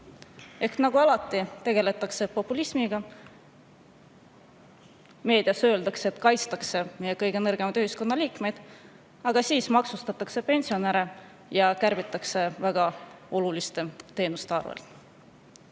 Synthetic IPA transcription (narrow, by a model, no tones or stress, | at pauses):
e̞hk̪nɑɡ̥uɑlɑt̪ːˑit̪e̞ɡ̥e̞le̞t̪ːˑɑkse̞po̞pːˑulismiɡ̥ɑ | me̞ːd̪̥iɑsø̞ːld̪ɑkseːt̪ːˑkɑjt̪st̪ɑkse̞me̞je̞kɤjɡ̥e̞nɤrɡ̥e̞mɑd̪yhisko̞nːɑliːkme̞jd̪̥ | ɑɡ̥ɑsiːsmɑksust̪ɑt̪ːˑɑkse̞pe̞nʲsio̞neɾe | jɑkærbit̪ːˑɑkse̞væɡ̥ɑo̞lulist̪e̞t̪e̞ːnust̪eɑrvḛlt̪